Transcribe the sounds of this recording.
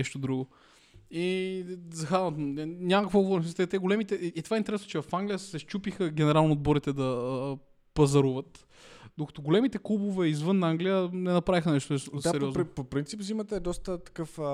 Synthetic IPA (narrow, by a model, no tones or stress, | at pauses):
ɛʃt̪od̪ɾuɡʊ | izɐxaɐt̪nʲamɐkkvoɡovɔɾnsmist̪ɛt̪ɛɡolɛmit̪ɛʔiːt̪o̥vaɛint̪ɛɾɛsnot͡ʃɛvɐfaŋɡlʲijəsɛʃt͡ʃupixəɡ̟ʲɛnɛɾalˠnoːd̪̚bɔɾit̪ɛd̪ɐ | pɐzɐɾuvət̪ | d̪okɐ̥t̪oɡolɛmit̪ɛklˠubovɛizvɤnːaŋɡlijənɛnɐpɾavixənɛʃt̪oɛɛɾiɔzpopɾint̪sipzimət̪əd̪ɔst̪ət̪ɐ̥kɤf